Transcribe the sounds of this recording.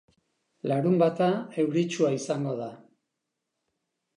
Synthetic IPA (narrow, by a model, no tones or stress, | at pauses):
laɾumbat̪ae̞wɾit͡ʃuaisaŋɡo̞ða